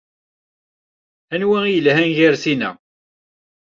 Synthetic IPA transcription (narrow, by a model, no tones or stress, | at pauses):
ænwiijəlɦænʝæɾθinæ̰